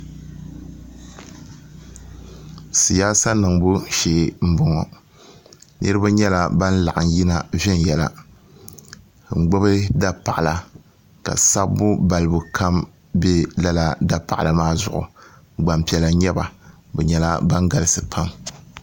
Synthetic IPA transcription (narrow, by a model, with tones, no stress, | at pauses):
sɨ˨jaː˦sa˦nɨ˨ŋbʊ˦ʃe˨m̩˦bʊ˦ŋɔ˨ | nʔɨ˦ɾɨ˦ba˦ɲɛ˦la˦ba˦n˦la˨ʔa˨n˦ji˦na˦˨vɛ˦n˨jɛ˨la̰˨ | ŋ͡m̩˨ɡ͡bo˦bɨ˦da˦pa˨ʔa˨la˨ | ka̰˨sa˦bːʊ˦ba˨lɨ˨bʊ˨kʰa˦m | bɛ˦la˦la˦da˦pa˨ʔa˨la˨maː˦zʊ˨ʔʊ̰˨ | ɡ͡ba˨mpi˨˦ɛ˦la˨ɲɛ˦ba˨ | bɛ˨ɲɛ˦la̰˦ba˦ŋɡa˨lɨ˦sɨ˨pʰa˦m